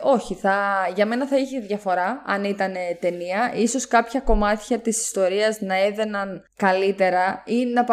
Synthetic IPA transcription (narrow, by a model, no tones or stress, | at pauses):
o̞çiθɐʝɐme̞nɐθɐiçeðʝɐfo̞ɾɐɐnit̪ɐne̞t̪e̞niɐʔiso̞skɐpçɐko̞mɐt̪çɐt̪isi̥st̪o̞ɾiɐznɐe̞ðe̞nɐn | kɐlit̪e̞ɾɐinɐp